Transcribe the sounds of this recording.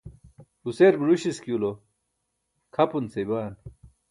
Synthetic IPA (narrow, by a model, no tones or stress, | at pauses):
useːɾbɾuɕiskjulo | kʰɐpunt͡sejbaːn